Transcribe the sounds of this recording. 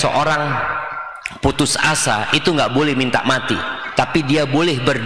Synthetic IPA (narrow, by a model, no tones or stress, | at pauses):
sə̰ʔoɾaŋ | put̪ʊsasa̰ʔit̪uŋɡaʔbolɛhmint̪a̰ʔmat̪it̪apidiabolɛhbərd